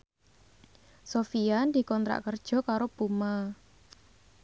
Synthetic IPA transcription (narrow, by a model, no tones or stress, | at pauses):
sofijand̪i̤kɔnt̪ɾa̰ʔkərd̥ʒ̥ɔ̤kaɾob̥uma